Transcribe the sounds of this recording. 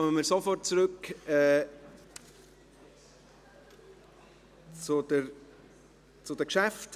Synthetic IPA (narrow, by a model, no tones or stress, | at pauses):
ɔmənmiːɾsofɔrt̚t͡sɾɵkɛː | t͡sʊd̥əɾ | t͡sʊd̥əkʃæft